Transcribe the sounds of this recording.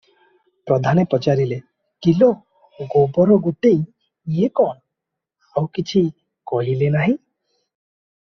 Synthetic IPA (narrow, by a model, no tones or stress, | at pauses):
pɾɔd̪ʱanepɔt͡ʃaɾile | kilɔ | ɡobɔɾɔɡuʈej | ekɔɳ̃ | awkit͡ʃʰi | kɔɦilenaɦĩ